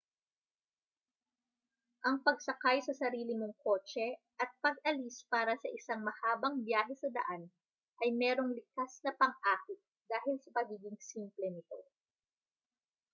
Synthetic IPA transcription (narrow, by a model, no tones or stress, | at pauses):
ʔɐŋpɐɡ̚sɐkajsɐsɐɾiːlɪmoŋko̞ːt͡ʃɛ | ʔɐt̪̚pɐɡ̚ʔɐlispaːɾɐsɐʔɪsaŋmɐhaːbɐŋbjaːɦɛsɐd̪ɐ̰ʔan | ʔɐjmɛːɾo̞ŋlɪkasnɐpɐŋʔaːkɪt̪̚d̪aːɦɪlsɐpɐɡiːɡɪŋsimplɛnɪt̪o̞